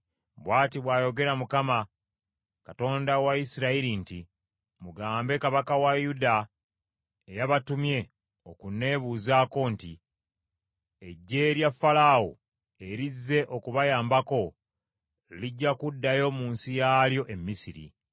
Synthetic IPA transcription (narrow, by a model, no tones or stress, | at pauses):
bwaːtiβwaːjo̞ɡe̞ɾamukama | kato̞ːndawaisiɾaiɾinti | muɡaːmbe̞kaβakawajuda | ejaβatumje̞ | o̞kune̞βuzaːko̞nti | eɟːe̞ːɾjafːalawo̰ | e̞ɾizːe̞ʔo̞kuβajaːmbako̞ | iliɟːakudːajo̞muːnsijaːljo̞ʔe̞mːisiɾḭ